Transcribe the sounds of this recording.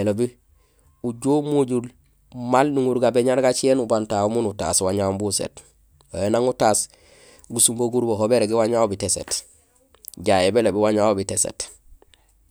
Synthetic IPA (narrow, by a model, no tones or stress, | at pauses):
elobi | uɟomuɟul | malnuŋuɾɡabeɲaɾɡat͡ʃieːnubantaumunuta̰ːswaɲaumbusḛt | wojenaŋutaːs | ɡusumboɡuɾboɦobeɾeɡiwaɲaobitesḛt | ɟajebelobiwaɲaobitesḛt